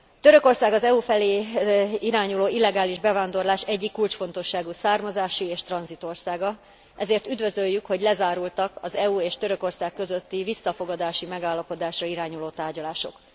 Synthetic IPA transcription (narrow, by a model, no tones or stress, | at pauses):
t̪øɾø̞ko̞rsaːɡɒzɛufɛleːiɾaːɲuloːilːɛɡaːliʒbɛvaːnd̪o̞rlaːʃɛɟːikːult͡ʃfo̞nt̪o̞ʃːaːɡusaːrmɒzaːʃieːʃt̪rɒnzit̪o̞rsaːɡɒ | ɛzeːrt̪yd̪vø̞zøjːykho̞ɟlɛzaːɾult̪ɒkɒzɛueːʃt̪ø̞ɾø̞ko̞rsaːkːø̞zø̞t̪ːivisːɒfo̞ɡɒd̪aːʃimɛɡaːlːɒpo̞d̪aːʃrɒiɾaːɲuloːt̪aːrɟɒlaːʃo̞̰k